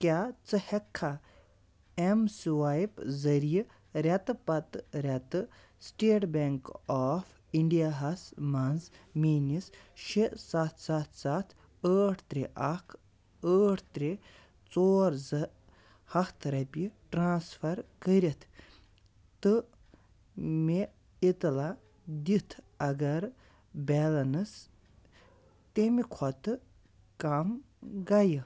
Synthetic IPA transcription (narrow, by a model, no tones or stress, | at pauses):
kʲaːt͡sɨhekʰːa | emsʋajpzɐɾij | ɾʲɐt̪ɨpɐt̪ɾʲɐt̪ɨ | sʈeːʈbʲeŋkaːf | iɳɖijaɦɐsmanzmiːnisʃisɐt̪ʰsɐt̪ʰsat̪ʰ | əːʈʰt̪ɾeʔɐkʰ | əːʈʰt̪ɾe | t͡soːɾzɐ | hɐkt̪ʰɐɾɐpʲiʈɾaːnsfʰɐɾkəɾʲit̪ʰ | ɨ | me | it̪la | d̪it̪ʰ | ɐɡɐɾ | bʲɛːlɐnɨs | t̪emikʰɔt̪ɨ | kam | ɡajɨ